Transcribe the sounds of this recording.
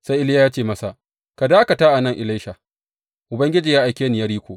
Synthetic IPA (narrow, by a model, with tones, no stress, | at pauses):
sa˦ʔɪ˦ljaː˦jaː˦t͡ʃeː˦˨mɐ˦sa˨ | ka˨daː˦a˦ka˨taː˦ʔa˨nɐ˦˨ŋʔɪ˨la˦ʃa˨ | ʔʊ˨bɐ˦ŋɡʲɪ˦d͡ʒiː˨jaː˦ʔa˨jkʲeː˦nɪ˨jɐ˦ɾiː˦kʷoː˨ʔ